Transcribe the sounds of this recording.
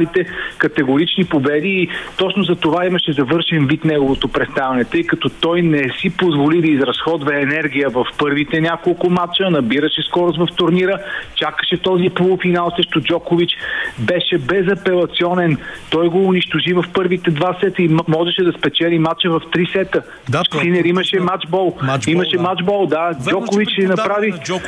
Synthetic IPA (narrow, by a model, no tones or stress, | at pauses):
lit̪ɛkɐt̪ɛɡʊɾit͡ʃnipobɛd̪iːt̪ɔt͡ʃnozɐt̪ovaimɐʃɛzɐvɤɾʃɛnvit̪nɛɡovot̪opɾɛst̪avɛnɛt̪ɤjkɐt̪ɔt̪ɔjnɛsipozvolid̪ɐizɾɐsxɔd̪vɛːnɛɾɡ̟ijəvɐfpɤɾvit̪ɛnʲakolˠkʊmat͡ʃənɐbiɾəʃɛskɔɾozvɐft̪ʊɾniɾət͡ʃakə̥ʃɛt̪ɔzipolˠʊfinalˠsɾəʃt̪ʊd͡ʒɔkʊvit͡ʃbɛʃɛbɛzɐpɛlˠɐt̪siɔnɛnt̪ɔjɡoːniʃt̪oʒivɐfpɤɾvit̪ɛd̪vasɛt̪əimɔʒɛʃɛd̪ɐspɛt͡ʃɛlimat͡ʃəvɐft̪ɾisɛt̪ə | at͡ʃksinɛɾiməʃɛmat͡ʃbɔlˠimɐʃɛmat͡ʃbɔlˠd̪ad͡ʒɔkʊvit͡ʃsɛnɐpɾavi